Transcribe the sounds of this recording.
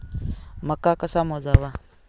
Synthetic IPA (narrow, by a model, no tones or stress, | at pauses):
makakasamod͡ʒaβa